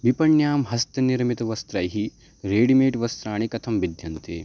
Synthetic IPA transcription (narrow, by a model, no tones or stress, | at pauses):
bipɐɳjaːmɦɐst̪ɐniɾmit̪ɐʋɐst̪ɾɐːjɦi | ɾeːɖimeːʈʋɐst̪ɾaːɳikɐt̪ʰɐmʋid̪ʱjɐnt̪ḛː